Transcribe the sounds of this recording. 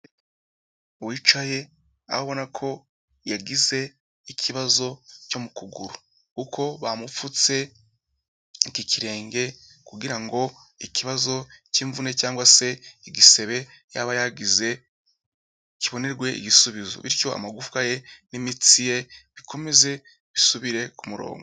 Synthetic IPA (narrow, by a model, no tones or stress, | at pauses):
uwit͡ʃaje̞ | a̰hoβo̞nakʰo̞ | jaɡize̞ | icʰiβazo̞co̞mukuɡuɾu | kukʰo̞βamufut͡se̞ | ikicʰiɾe̞ːŋɡe̞kuɡiɾaŋɡo̞ | iciβazo̞ciːɱvune̞caːŋɡwase̞iɡise̞βe̞ | jaβajaɡize̞ | ciβo̞ne̞ɾɡwe̞ḭɡisuβizo̰βiɾco̞a̰maɡufu̥kaje̞nimit͡sije̞βikʰo̞me̞ze̞ | βisuβiɾe̞kumuɾo̰ːŋɡo